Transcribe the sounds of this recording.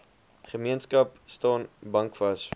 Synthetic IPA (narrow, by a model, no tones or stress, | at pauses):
χəmiənskɐpstɑːnbɐŋkfɐs